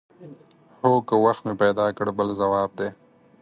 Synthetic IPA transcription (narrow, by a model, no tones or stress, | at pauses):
hokəwaxt̪mepajd̪ɑkəɽbəlzawɑːb̚d̪e